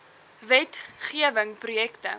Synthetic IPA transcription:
vɛtχiəvəŋprujɛktə̰

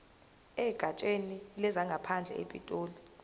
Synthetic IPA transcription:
ɛɡ̥ʱat͡ʃʼenilɛzaŋɡʱapʰand͡ɮʱɛ̰ʔḛpʼḭtʼoːli

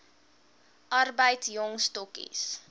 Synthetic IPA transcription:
ʔɐrbəjtsjɔŋstɔkḭs

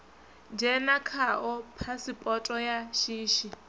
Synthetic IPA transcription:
nd͡ʒɛnakʰaʔɔpʰasipʼɔtʼɔjaʃiːʃi

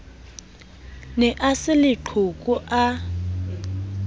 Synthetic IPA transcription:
nɛʔasɪlɪǃʰukʼuʔa

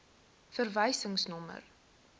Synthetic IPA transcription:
fərvəjsəŋsnɔmə̰r

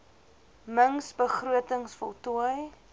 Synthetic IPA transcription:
məŋsbəχruətəŋsfɔlˠtuəj

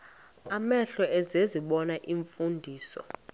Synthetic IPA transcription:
amɛɬɔɛzeziɓɔnaʔiɱfundʱiːsɔ̰

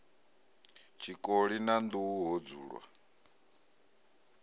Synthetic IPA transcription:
t͡ʃʰikʼoɺinand̪uuɦod͡zuːɺwa̰

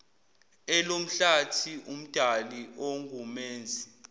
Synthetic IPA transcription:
ɛlom̩ɬatʰiʔum̩d̥ʱaliʔoŋɡʱumeːnd͡zʱi

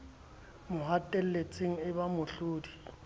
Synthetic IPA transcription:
mʊɦatʼɛl̩let͡sʼeŋ̩ɪbamʊɬʊːdi

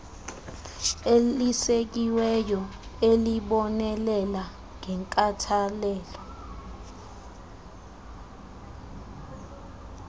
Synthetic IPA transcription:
elisek̬iwɛjɔ | eliɓɔnɛlɛla | ŋʱɛŋkʼatʰalɛːlɔ

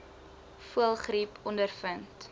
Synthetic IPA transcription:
fuəlˠχripʰɔndərfənt

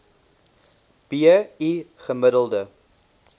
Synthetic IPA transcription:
b̥iəiχəmədəlˠdə

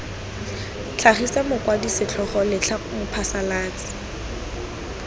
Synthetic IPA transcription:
t͡ɬʰaχisɛmʊkwadisɪt͡ɬʰɔχɔlɪt͡ɬʰamʊpʰasalaːt͡sʼɪ̥

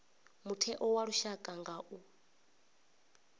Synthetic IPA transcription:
mutʰɛʔɔwaɺuʃakʼaŋɡaʔu

